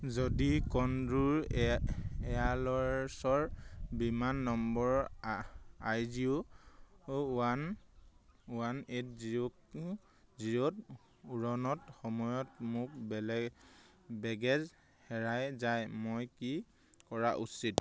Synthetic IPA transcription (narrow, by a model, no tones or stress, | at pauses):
zodikɔnduɹ | ɛalɔɹsɔɹbimanːɔmbɔɹ | ajziu | an | wanet̚zk | zijɔt | uɹɔnɔtxɔmɔjɔtmʊk̚bɛlɛ | bɛɡɛz | hɛɹajzajmojki | kɔɹaʔṵsit